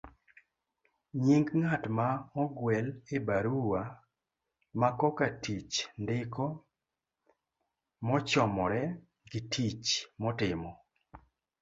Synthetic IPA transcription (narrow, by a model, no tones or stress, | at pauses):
ɲiŋɡŋatmaɔɡwɛlebaɾuwa | makɔkatit͡ʃndɪkɔ | mɔt͡ʃɔmɔɾɛ | ɡɪtʰit͡ʃmɔtɪmɔ